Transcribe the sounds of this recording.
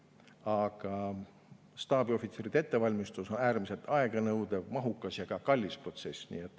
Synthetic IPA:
ɑɡ̥ɑ | st̪ɑːbio̞fit̪se̞ɾid̪ee̞t̪ːe̞vɑlʲmist̪uso̞næːrmise̞lt̪ɑe̞ɡ̥ɑnɤwd̪̥evmɑɦukːˑɑsjɑɡ̥ɑkɑlʲːispro̞t̪se̞snḭːet̪ːˑ

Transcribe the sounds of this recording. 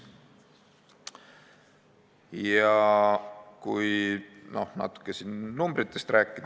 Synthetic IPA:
jɑ | kujno̞̰hnɑ̰t̪ːˑu̥kːesinːumbɾit̪ːˑe̞st̪ræːkːˑid̪

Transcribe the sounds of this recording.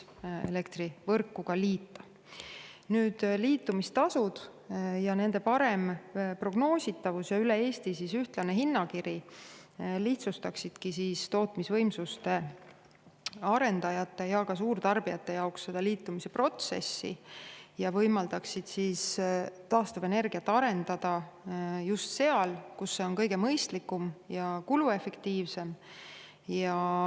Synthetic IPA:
e̞̰le̞kt̪rivɤrkːˑukɑliːt̪ˑːɑ | nyːd̪̥liːt̪ːˑumist̪ɑsud̪̥jɑne̞nd̪e̞pɑɾe̞mpro̞ɡ̥no̞ːsʲit̪ːˑɑvusjɑylee̞ːst̪isisyht̪lɑneɦinːɑkiɾi | liht̪sust̪ɑksid̪̥kisiːst̪o̞ːt̪misvɤjmsust̪e̞ | ɑɾe̞nd̪̥ɑjɑt̪ːˑe̞jɑkɑsuːrt̪ɑrb̥ijɑt̪ːˑe̞jɑoksːe̞d̪̥ɑliːt̪ˑːumise̞pro̞t̪se̞̰sːḭjɑvɤjmɑld̪ɑksid̪̥siːst̪ɑːst̪ɑve̞ne̞rɡ̥ijɑt̪ːˑɑɾe̞nd̪̥ɑd̪̥ɑjust̪se̞ɑlkusːe̞o̞nkɤjɡe̞mɤjst̪likːˑumjɑkulue̞fe̞kt̪iːvse̞m | jɑ

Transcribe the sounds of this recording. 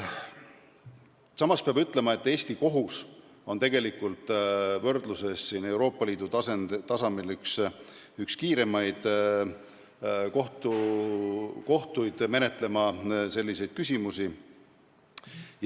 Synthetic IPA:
sɑmɑspeɑbyt̪ːˑle̞mɑe̞t̪ːˑe̞ːsʲt̪iko̞ɦus | o̞nt̪e̞ɡe̞likːˑult̪ˑvɤ̞rd̪̥luse̞sːine̞wɾo̞ːpːˑɑliːd̪̥ut̪ɑsent̪ɑsɑmilyks | ykskiːɾe̞mɑjd̪̥ | ko̞ht̪u | ko̞ht̪ujd̪̥me̞ne̞t̪ˑle̞mɑse̞lʲːise̞jd̪̥kysʲimusi

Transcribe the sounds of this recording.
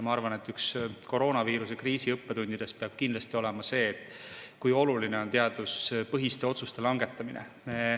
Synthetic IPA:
jmɑɑrvɑne̞t̪ːˑyksko̞ɾo̞ːnɑviːɾusekriːsiɤpːe̞t̪unʲd̪̥id̪̥e̞speɑb̥̚kind̪lɑst̪io̞lemɑse̞ːt̪ːˑ | kujo̞luline̞o̞nt̪eɑd̪uspɤɦist̪e̞o̞t̪sust̪e̞lɑŋɡ̥e̞t̪ːˑɑminʔḛ | me

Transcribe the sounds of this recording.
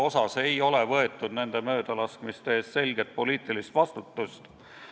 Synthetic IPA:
o̞sɑse̞jo̞le̞vɤe̞t̪ːˑud̪ne̞nd̪̥e̞mø̞ːd̪̥ɑlɑskmist̪eeːst̪se̞lʲɡet̪̚po̞liːt̪ːˑilist̪vɑst̪ut̪ˑːust̪

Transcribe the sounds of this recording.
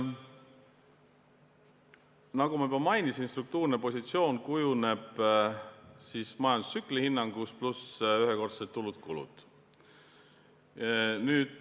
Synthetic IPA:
nɑɡ̥umɑypɑmɑjnisinst̪ruk̚t̪uːrnepo̞sʲit̪sio̞ːnkujune̞b̥ | sismɑjɑnd̪u̥sːyklihinːɑŋɡ̥usplusyɦeko̞rt̪set̪ːulut̪̚kulṵd̪̥ | nyːd̪̥

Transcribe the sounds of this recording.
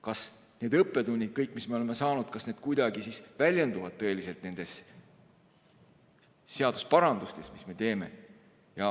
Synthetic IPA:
kɑs | ne̞ːd̪ɤpːˑe̞d̪unʲːid̪̥̚kɤjkːˑmisme̞o̞leme̞sɑːnud̪̥kɑsne̞ːd̪̥̚kujd̪̥ɑɡisisvælʲjend̪uvɑd̪̥̚t̪ɤe̞lise̞lt̪ˑne̞nd̪̥e̞s | se̞ɑd̪uspɑɾɑnd̪ust̪e̞smisme̞t̪e̞ːme̞̰ | jɑ

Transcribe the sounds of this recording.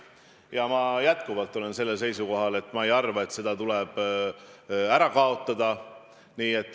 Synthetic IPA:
jɑmɑjæt̪kuvɑlt̪ːˑo̞le̞nse̞lːels̬e̞jsuko̞ɦɑle̞t̪ːˑmɑejɑrvɑe̞t̪ːse̞d̪̥ɑt̪ulɛb̥ | æɾɑkɑo̞t̪ːˑɑd̪̥ɑ | niːe̞t̪ːˑ

